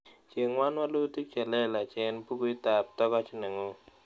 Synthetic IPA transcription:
t͡ʃe˨ŋwa˦nwa˦lo˦t̪i˦kt͡ʃɛ˨lɛ˦˨la˨t͡ʃe˨npu˦ɡu˦jt̪a˨p̚t̪ɔ˦ɡɔ˦t͡ʃne˨ŋo˨

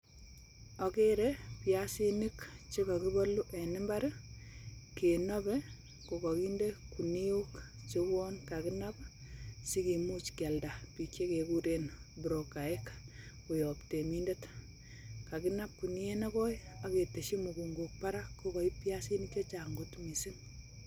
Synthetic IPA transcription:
ɔ˨ke˦ɾepjasi˦ni˦kt͡ʃe˦ka˨ki˦bɔ˦lu˦ʔe˨nɪ˦mba˦ɾe˦ | ke˨nɔ˦bɛ˦ | ko˨kɔ˨ki˦nde˦ku˨ni˦o˦k | t͡ʃe˦bɔ˦nka˨kɪ˦nap | si˦ki˨mu˦t͡ʃkɛ˨lda˨pi˨kje˦ke˨ku˦ɾenbu˨ɾo˨ka˨e˦kku˨jɔ˨pte˨mi˦nde˦t | ka˨kɪ˦na˦p̚ku˨ni˦e˦na˦kɔ˦ja˦ke˨te˨ʃi˦mu˨ɡu˨ŋɡok̚paɾa˦ko˨kɔ˨i˦pjasi˦nik̚t͡ʃe˦t͡ʃaŋɡu˦tmi˨si˦n

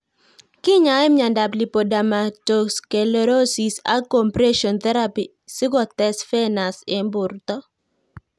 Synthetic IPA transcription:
kɪ˦ɲa˨˦ɪ˦mɲa˨nda˨pli˨po˨da˨ma˨to˨ske˨le˨ɾo˦si˨sa̰˦ko˨mpɾɛ˦ʃɔ˨nt̪ɛ˦ɾa˦pi˨ | sɪ˦ɡɔ˨tɛ˦sfɛ˦na˨sɪ˨mbʊ˨ɾt̪ɔ˦

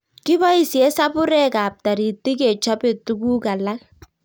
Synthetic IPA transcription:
kɪ˦ba˦i˨sjɛ˦sa˦bʊ˦ɾɛ˦ka˨p̚ta˨ɾi˨tːi˦kɛ˨t͡ʃa˦pe˨tu˦ku˦ka˨la˦l

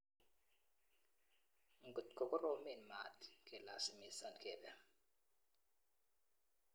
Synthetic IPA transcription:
ŋ˨ɡu˨tkʼɔ˨kʼɔ˦ɾo˦me˨nmatʰi̥kʼɛ˨la˨si˨mi˨sa˨nkʼɛ˨bɛ˨

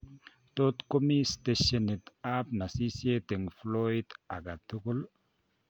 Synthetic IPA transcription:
to˦t̪ko˦mi˦steʃene˨t̪ap̚na˨si˦si˦e˦t̪e˨ŋfloida˨ɡa˨t̪ːu˦ku˦l

